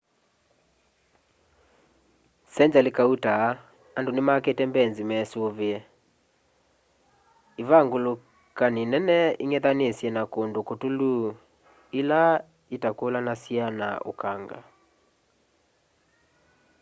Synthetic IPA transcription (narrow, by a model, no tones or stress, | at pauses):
sɛɲd͡ʒalekauta | andonemakɛtɛmbɛnzimɛsoβeɛ | eβaŋɡolo | kaninɛnɛiŋɛðanesjɛnakondokotulu | ela | etakolanasiana̰o̰kaŋɡa̰